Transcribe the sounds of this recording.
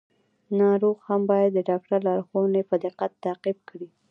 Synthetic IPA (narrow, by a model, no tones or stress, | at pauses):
nɑɾoɣhambɑjad̪ːəɖɑk̚ʈaɾlɑɾxonepəd̪ɪqat̪ːaqib̚kɽi